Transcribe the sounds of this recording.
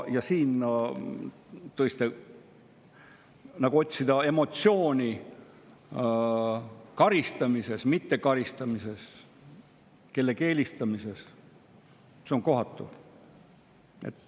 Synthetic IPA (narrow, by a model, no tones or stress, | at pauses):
jɑsiːn | t̪ɤjst̪e | nɑɡ̥uo̞t̪ʲsid̪ɑe̞mo̞t̪sio̞ːnʲi | kɑɾist̪ɑmise̞smit̪ːe̞kɑɾist̪ɑmise̞s | ke̞lːe̞ke̞ːlʲist̪ɑmise̞s | seo̞ŋko̞ɦɑt̪ːˑṵ | e̞̰t̪ː